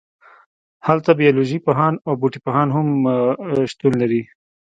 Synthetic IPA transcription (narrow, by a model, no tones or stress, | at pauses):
halt̪abijaloʒipaɦɑnabuʈipaɦɑnɦʊm | ʃt̪unlaɾi